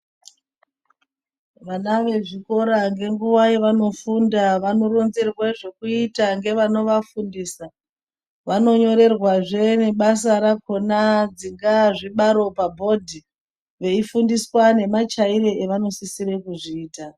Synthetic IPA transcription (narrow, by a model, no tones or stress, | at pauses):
ʋanaʋe̞ʐiko̞ɾaŋɡe̞ŋɡuwaiʋano̞fundaʋanoɾo̞nze̞rweʐe̞kuitaŋɡe̞ʋano̞ʋafundiːsa | ʋano̞ɲo̞ɾe̞rwaʐe̞ne̞ɓas̬aɾako̞nad͡ziŋɡaʐiɓaɾo̞pabʱo̞dʱi | ʋe̞ifundiswane̞mat͡ʃaiɾe̞eʋano̞sisiɾe̞kuʐiːta